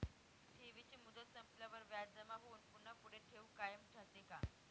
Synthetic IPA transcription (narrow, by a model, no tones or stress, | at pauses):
ʈʰiʋit͡ɕiːmud̪ət̪səmplaʋəɾʋjadd͡zəmaɦouːnpunːəpuɽ̤eʈʰeukajəmʈʰat̪eka